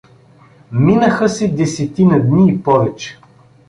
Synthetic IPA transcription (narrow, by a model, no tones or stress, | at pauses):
minəxəsɛd̪ɛsɛt̪inɐd̪niːpɔvɛt͡ʃɛ̥